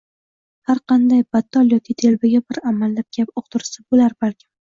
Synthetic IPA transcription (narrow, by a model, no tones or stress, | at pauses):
haɾqʰɑnd̪ajbat̪ʰːɒljɒkʰʲit̪ʰelbaɡʲabɪɾamalːap̚ɡʲapoq̚t̪ʰʊɾsabolaɾbalkʲʰɪm